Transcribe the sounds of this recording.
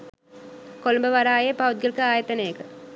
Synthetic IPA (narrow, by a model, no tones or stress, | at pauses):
kolumbəʋaɾaːjepawud̪̚ɡəlkəaːjɐt̪ɐnejəkə